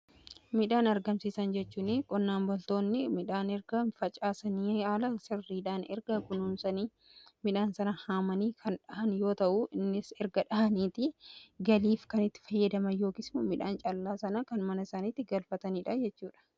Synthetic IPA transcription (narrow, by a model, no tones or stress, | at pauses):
mɪᶑaːnɐɾɡɐmsiːsɐnd͡ʒɛt͡ʃːuːnɪkʼɔnːaːnbɔlt̪o̞ːnːɪmɪᶑaːnɛɾɡɐfɐt͡ʃʼaːsɐniːaːlɐsɪrːiːᶑaːnɛɾɡɐkʊnʊmsɐniː | mɪᶑaːnsɐnɐhaːmɐniːkʰɐnᶑɐhɐnjo̞ːt̪ɐʔʊʔɪnːɪsɛɾɡɐᶑɐhɐniːt̪ɪɡɐliːfkɐnɪt̪ːɪ̥fɐjːɐd̪ɐmɐnjo̞ːkɪsmʊmɪᶑa̰ːnt͡ʃʼɐlːaːsɐnɐkɐnmɐnɐɪsaːniːt̪ːɪɡɐlfɐt̪ɐniːᶑɐd͡ʒɛt͡ʃːuːᶑɐ̥